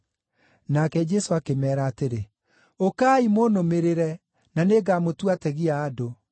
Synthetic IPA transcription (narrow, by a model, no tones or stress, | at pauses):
nakɛd͡ʒɛsoakemɛːɾaːteɾe | okaːimonomeɾeɾɛ | naneɡamotwatɛɣiaːdo